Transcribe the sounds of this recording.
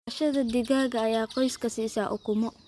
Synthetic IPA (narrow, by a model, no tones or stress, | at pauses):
ʃɐðɐd̪ɪɣaːɣɐːjaːqɔjskʰɐsiːsaːʔʊkʊmɔ